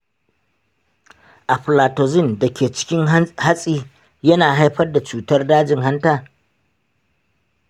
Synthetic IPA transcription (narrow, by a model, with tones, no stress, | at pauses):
ʔa˨ɸlaː˨toː˨zɪ˦˨ndɐ˨kʲeː˨t͡ʃɪ̥˦kʲɪ˦ŋha˦sʼiː˦ | jɐ˦naː˨ɦa˦jɸɐ˦rda˨t͡ʃuː˨tɐ˦rdaː˦d͡ʒɪ˨ŋɦa˦ntaː˨